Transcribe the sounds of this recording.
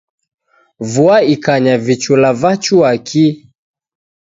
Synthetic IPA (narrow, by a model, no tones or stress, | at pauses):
vuaikaɲavit͡ʃulavat͡ʃuakʰi